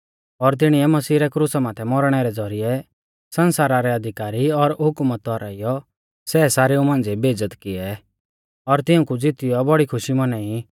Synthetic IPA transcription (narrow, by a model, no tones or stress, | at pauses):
ɔɾt̪̬ɪɽ̃iɛmɐsiːɾɛkɾusamaːt̪ʰɛmɔɾɽ̃ɛɾɛd͡zɔɾɪjɛ | sɐnsaːɾaɾɛɐd̪ʱɪkaːɾiɔɾɦʊkmət̪ːɔɾaijɔ | sɛːsaːɾeũmãːnd͡zebʱeːd͡zət̪kɪɛ | ɔɾt̪ɪʊ̃kud͡zɪt̪ɪjɔbɐɽikʰʊʃimɐnɛi